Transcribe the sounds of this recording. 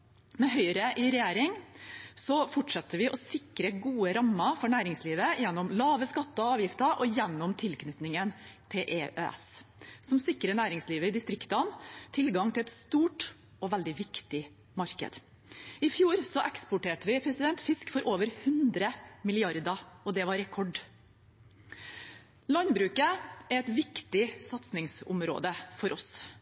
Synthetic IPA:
mɛɦœʏɾəʔɪɾɛjeːɾɪŋsɔfɔʈʂɑt̪ːəʋɪʔɔsɪkɾəɡuːəɾɑmːɑfɔɳæːɾɪŋsliːʋəjɛnːɔmlɑːʋəskɑt̪ːəɔɑːʋjɪft̪əɾʔɔjɛnːɔmt̪ʰɪlkʰnʏt̪nɪŋənt̪ʰɪlʔeʔø̰ːɛ̰ssɔmsɪkːɾənæːɾɪŋsliːʋəɪd̪ɪst̪ɾɪkt̪ɑnt̪ʰɪlɡɑŋt̪ʰɪlɛt̪st̪uːʈ | ɔʋæld̪ɪʋɪkt̪ɪ | mɑɾkə̰d̪ | ɪfjuːɾsɔʔɛkspʊʈeːʈəʋɪpʰɾɛsɪd̪ɛnt̪fɪskfɔɾʔoːʋəɾhʉnd̪ɾəmɪlɪɑɾd̪ɑɔd̪ɛʋɑɾɛkʰɔɖ | lɑnbɾʉːkəæɾæɪt̪ʋɪkt̪ɪsɑt̪snɪŋsʊ̰mɾo̰ːd̪əfɔɾʔɔs

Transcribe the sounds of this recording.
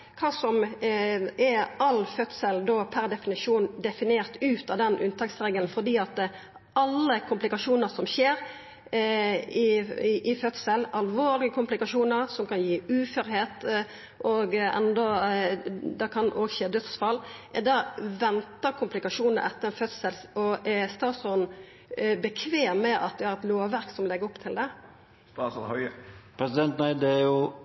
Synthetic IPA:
kʰɑːsɔm | ɛɑlfœt̪səld̪opʰæʁd̪ɛfɪnɪʂuːnd̪ɛfɪneːʁt̪ʉːt̪ɑd̪ɛnʔʉ̰nt̪ʰɑksɾeːɡəln̩fɔd̪iːɑt̪ | ʔɑlːəkʰʊmplɪkɑʂuːnəɾsɔmçeːɾ | ɪʔɪfœt̪səlɑlʋoːʁlɪɡəkʰʊmplɪkɑʂuːnəɾsɔmkʰɑnjiːʉːfɛɾheːt̪ | ʔɔɡɛ̰nd̪ɔ | d̪ɑkʰɑnʔoːɡçeːd̪œt̪sfɑlːʔɛd̪æʋɛnt̪əkʰʊmplɪkɑʂuːnəɾɛ̰t̪ːəɛnfœt̪səlɔʔɛst̪ɑːsɔn | bəkʰʋeːmːɛʔɑ̰t̪̚d̪ɛhɑɾɛt̪loːʋæɾksɔmlɛɡəɾɔpːt̪ʰɪld̪ɛ | pʰɾɛsɪd̪ɛnt̪næɪd̪ɛæɾjʊ

